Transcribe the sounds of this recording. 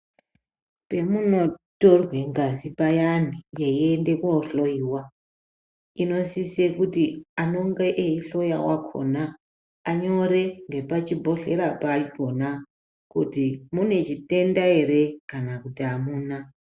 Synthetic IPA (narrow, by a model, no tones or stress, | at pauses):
pe̞muno̞torwe̞ŋɡazipajan̤ujeiende̞kuoɬo̞iːwa | ino̞sisekutiano̞ŋɡe̞ʔeiɬoja̰wakʰo̰naː | ɲo̞ɾe̞ŋɡe̞pat͡ʃibʱo̞ɬe̞ɾapaibʱo̞na | kutimune̞t͡ʃite̞ndae̞ɾe̞kanakutiamuːna